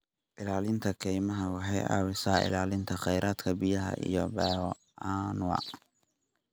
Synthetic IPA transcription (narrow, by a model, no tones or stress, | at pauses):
ʔɪlaːlɪnt̪ʰɐkʰɛjmɐɦɐwɑħɑjɑ̰ːwɪsaːʔɪ̰laːlɪnt̪ʰɐχɛjɾʔaːd̪kʰɐbijɐɦɐ̰ʔḭjɔbɛːwɔ | aːnwɑ̰